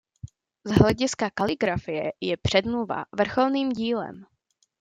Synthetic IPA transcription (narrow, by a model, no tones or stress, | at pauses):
zɦlɛɟɪskakalɪɡɾafɪjɛjɛpr̝̥ɛd̪mluva̰vr̩xolniːmɟiːlɛ̰m